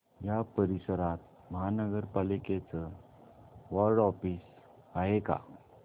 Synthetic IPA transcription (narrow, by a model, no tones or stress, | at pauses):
japəɾisəɾat̪̚ | məɦanəɡəɾpaliket͡sə | ʋɔlɖɔfis | aɦeka̰